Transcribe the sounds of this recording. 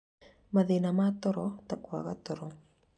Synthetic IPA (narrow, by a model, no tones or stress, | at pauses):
maðenamat̪ɔɾɔt̪akwaɣat̪ɔɾɔ